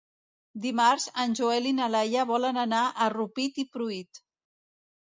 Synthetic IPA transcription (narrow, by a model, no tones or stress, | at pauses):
d̪imaɾzənʲʒuelinalajəβɔlənənaʔərupit̪ipɾuit̪